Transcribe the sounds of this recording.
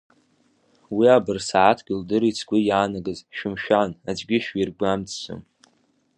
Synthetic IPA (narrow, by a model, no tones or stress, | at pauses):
wiabɨrsaʕatʰɡ̥ʲɪldɨɾit͡sʰɡʷʊjaːnaɡɨzʃᶣʊmʃᶣanad͡ʒʷɡʲɪʃᶣirɡʷamt͡sʰso̰m